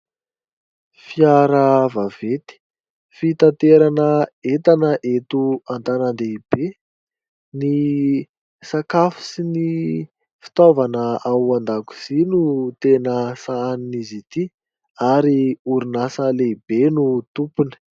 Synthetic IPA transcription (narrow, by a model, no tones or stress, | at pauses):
fiaɾəvavet̪i̥ | fit̪ant̪eɾanəet̪anəʔet̪uant̪anand̪eib̥e | ni | sakafi̥sini | fi̥t̪ovanəawand̪aku̥z̥inut̪enəsaninizit̪i | aɾiuɾinasəleibenut̪upunə̥